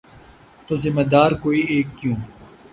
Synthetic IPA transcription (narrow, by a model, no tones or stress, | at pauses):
t̪ozɪmːɐd̪aːɾkoːieːkːjũː